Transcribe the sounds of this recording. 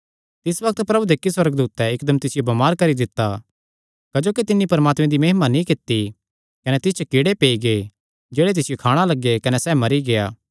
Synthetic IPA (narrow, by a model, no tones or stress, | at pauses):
t̪ɪsʋɐk̚t̪pɾɐbud̪ekːiswɐɾəɡd̪uːt̪ːɛɪkd̪əmt̪ɪsɪjobɐmaːɾkɐɾid̪ɪt̪ːa | kɐd͡ʒoːkit̪ɪnːipɐɾmaːt̪mẽd̪imɐɦɪmanĩkɪt̪ːi | kɐnɛt̪ɪst͡ʃʰkɪɽepeːiɡeː | d͡ʒeːɽet̪ɪsɪjokʰaːɽ̃alɐɡːekɐnɛsɛːmɐɾiɡejaː